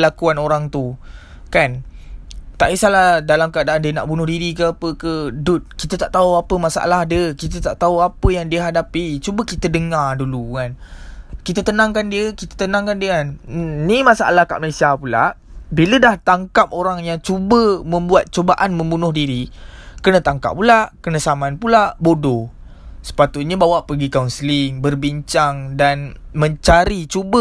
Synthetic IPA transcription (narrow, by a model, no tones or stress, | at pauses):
lakuanoɾaŋt̪u | kan | t̪a̰ʔisalahdalamkəadaʔandiəna̰ʔbunʊhdiɾikəapəkədʊt̪̚kit̪ət̪aʔt̪auapəmasa̰ʔa̰lahdiəkit̪̬ət̪aʔt̪auapəjaŋdiəɦadapit͡ʃubəkit̪ədəŋardulukankit̪ət̪ənãŋkandiəkit̪ə̥t̪ənãŋkandiəkannimasa̰a̰lahka̰ʔməlesiapula̰ʔ | bilədaht̪aŋkap̚oɾaŋjaŋt͡ʃubəmə̃mbuat̪̚t͡ʃobaʔanmə̃mbunʊhdiɾikənə̃t̪aŋka̰p̚ːulaʔkənəsamanpulaʔbodɔ | sə̥pat̪ut̪̚ɲəbawaʔpəɡikaunsəliŋbərbiɲt͡ʃaŋdanmə̃ɲt͡ʃaɾit͡ʃubə